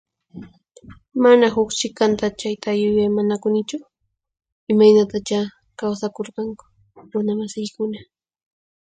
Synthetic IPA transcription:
manaɦʊkt͡ʃɪkant̪at͡ʃajt̪ajʊjajmanakʊnɪt͡ʃʊ | ɪmajnat̪at͡ʃa | kawsakoɾqɑŋkʊ̥ | ɾʊnamasɪjkʊna

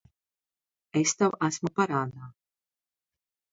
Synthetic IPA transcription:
est̪awæsmupaɾaːd̪aː

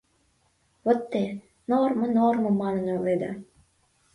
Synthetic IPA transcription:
βə̆t̪ːe | normɤ̆normə̆mːɑnə̆nøled̪ə̰

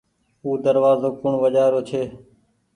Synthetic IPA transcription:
uːd̪əɾʋaːzoːkʊɳʋəʄaːɦɾoːt͡ʃʰeː

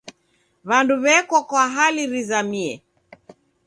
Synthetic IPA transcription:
βanduβɛkwakwaɦaliɾizamiɛ

